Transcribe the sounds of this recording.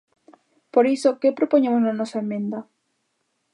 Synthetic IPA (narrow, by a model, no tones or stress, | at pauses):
poɾisokepɾopoɲẽmoznanɔsaemːẽnd̪ɐ